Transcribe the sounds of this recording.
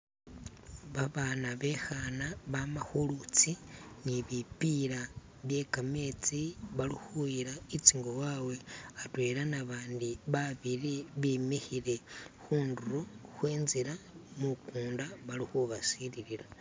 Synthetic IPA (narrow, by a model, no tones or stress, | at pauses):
βaβaːnaβe̞xanaβamaxulut͡siniβipiɾa | βje̞kame̞t͡siβalixuiɾait͡siŋɡowawe̞atwe̞ːɾanaβaːndiβaβiɾiβimixiɾe̞xuːnduɾoxweːnziɾamukuːndaβalixuβasiɾiɾiɾa